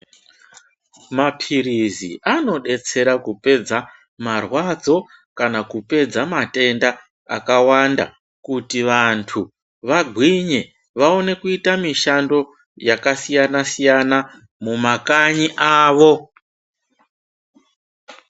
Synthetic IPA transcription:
mapʰiɾizḭʔano̞ɗe̞t͡se̞ɾakupe̞d͡za | marwad͡zo̞ | kanakupe̞d͡zamate̞nda̰ː | kawanda̰ | kutiʋantʰu | ʋaɡʱwiɲe̞ | ʋao̞ne̞kuitamiʃando̞ | jakasijanasijana | mumakaɲiʔaːʋo̞

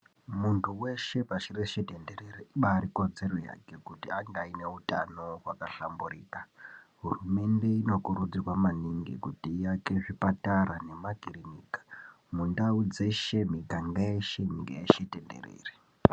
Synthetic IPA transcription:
muntʰuwe̞ʃe̞paʃireʃetendeɾeriiɓaːɾiko̞d͡ze̞ro̞ja̰ke̞kutiaŋɡaine̞uta̰no̞wakaɬamburiːkaɦurume̞nde̞ino̞kurud͡zikwamaniŋɡḭkutijake̞ʐipataɾane̞maɡʱirinikḁ | mundaud͡ze̞ʃe̞miɡaŋɡaeʃemḭɡa̰jḛʃetende̞̰rḛːri

